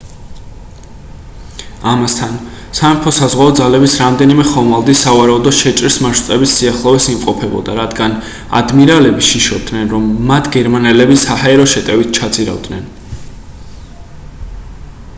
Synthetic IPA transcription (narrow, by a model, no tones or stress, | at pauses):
amast̪ʰan | sampʰɔsazʁwaɔd̪zalɛbisɾamd̪ɛnimɛχɔmalˠd̪isavaɾaud̪ɔʃɛt͡ʃʼɾsmaʃt̪sʼɛbisːiaχlˠɔvɛsimqʼɔpʰɛbɔ̰d̪aɾad̪ɡan | a̰d̪miɾalɛbiʃiʃɔd̪nɛnɾɔmːat̪ʰɡɛɾmanɛlɛbisahaɛɾɔʃɛt̪ʼɛvit̪̚ʰt͡ʃʰat̪sʼiɾa̰vd̪nɛn